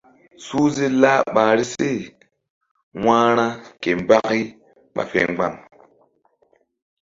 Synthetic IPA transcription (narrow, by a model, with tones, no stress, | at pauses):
suː˦ze˦laː˦ɓaː˨ɾi˦se˦˨ | wãː˦ɾa˦ke˨m˨ba˦ki˦ | ɓa̰˨fḛ˨ŋ˦ɡ͡ba˨ŋ